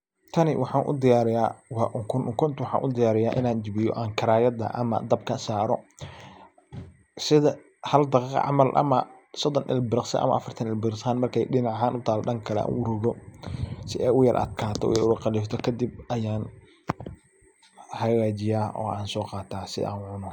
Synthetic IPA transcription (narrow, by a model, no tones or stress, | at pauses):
t̪ʰɐnɪwʔɑħɑːnʔʊ̰d̪ɪjaːɾɪjaːwɑʔʊŋkʰʊnʊŋkʰʊnt̪ʰwɑħɑ̰ːnʔʊd̪ɪjaːɾɪjaːʔɪ̰naːnd͡ʒɪβɪjɔ̰ʔaːŋkʰɐɾaːjɐd̪ɐ̰ʔɐ̰mɐ̰d̪ɐb̚kʰɐsaːɾɔ | sɪðɐ | hɐld̪ɑqqʕɑ̰mɐlʔɐ̰mɐ̰sɔd̪ɔnʔɪ̰lbɪɾɪqsɐ̰ʔɐ̰mɐ̰ʔɐfɐrt̪ʰɐnɪlbɪɾsaːnmɐrkʰɛ̰jɖɪnɑʕɦaːnʊt̪ʰaːlɔɗɐŋkʰɐlɛ̰a̰ːnʊɾʊɣɔ | sɪʔɛjʊjɐrʔɐ̰d̪̚kʰaːt̪ʰɔ̰ʔɛʊɐqɑliːft̪ʰɔkʰɐd̪ɪb̚ʔɐjaːn | hɐɣaːt͡ʃɪjaːɔ̰ːʔaːnsɔːqɑːt̪ʰaːsɪ̰ʔa̰ːnʕʊnɔ